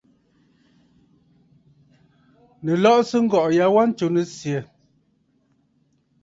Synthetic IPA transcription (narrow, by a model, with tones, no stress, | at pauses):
nə˨lɔ˦ʔsə˦ŋ̩˦ɡɔ˨ʔja˨˦wa˦n̩˦t͡ʃo˨ne˨sje˨